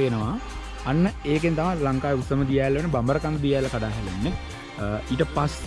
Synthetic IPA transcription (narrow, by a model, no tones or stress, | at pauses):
enəʋaː | nːəeːkent̪amalaŋkaːjəusəməd̪ijaːlːɐʋenːəbambəɾəkand̪əd̪ijaːlːɐkaɖaːɦɛlenːe | iːʈəpas